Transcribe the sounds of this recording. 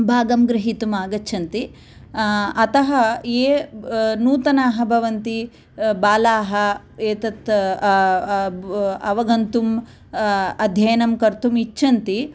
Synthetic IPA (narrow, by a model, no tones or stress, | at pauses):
bʱaːɡɐmɡɾɪɦit̪umaːɡɐt͡ʃːʰɐnt̪i | ɐt̪ɐɦɐeːnuːt̪ɐnaːɦɐ̆bʱɐʋɐnt̪i | baːlaːɦɐ | eːt̪ɐt̪ | ɐʋɐɡɐnt̪um | ɐd̪ʱjɐjɐnɐmkɐɾt̪umit͡ʃːt͡ʃʰʃʰɐnt̪i